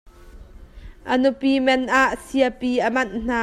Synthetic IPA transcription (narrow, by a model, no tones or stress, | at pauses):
ʔənupiːmɛnʔaːʔsiəpiːʔəmɐnn̥aː